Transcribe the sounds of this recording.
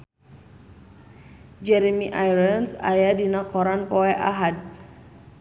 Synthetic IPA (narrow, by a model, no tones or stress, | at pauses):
d͡ʒɛɾemiʔajɾənsa̰jadinakɔɾanpɔɛʔaɦad̚